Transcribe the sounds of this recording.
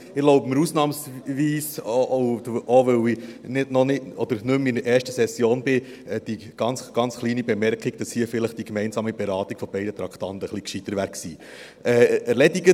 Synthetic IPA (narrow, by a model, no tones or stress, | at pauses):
ɪloʊbəməɾusnɑːmsviːs | ʔoʋɵwinɪdnɔnɪtɔd̥̪əɾnɵmɪnəʔɛːɾʃtəsɛsːjoːnbɪ | ɛd̥i | ɡ̥ɑnsɡ̥ɑnt͡sχliːnibɛmɛɾkiɡd̥ɑshiːəfɪləχd̥ikmɛɪnsɑːmibɛɾɑːtikfɔbɛɪdət̪ɾɑktɑnt̪əχlikʃitəɾʋæɾksiː | ɛːæɾlɛdiɡə